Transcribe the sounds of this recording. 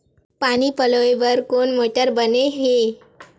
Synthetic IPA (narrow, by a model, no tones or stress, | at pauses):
paɽ̃iːpəloeʋəɾkoɳmoʈəɾbəneɦe